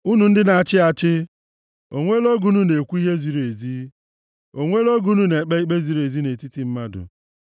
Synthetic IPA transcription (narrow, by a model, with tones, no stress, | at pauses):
u˦nu˨n̩˦dɪ˦na˨t͡ʃɪ˦a˨t͡ʃɪ˦ | o˨ŋʷe˦lo˦ɡu˨nu˦ne˨kʷu˦i˦ɦe˦zi˨ɾe˨zi˦ | o˨ŋʷe˦lo˦ɡu˨˦nu˨ne˨k͡pe˦i˦k͡pe˦zi˦ɾe˨zi˦ne˨ti˦ti˦m̩˦ma˦dʊ̰˨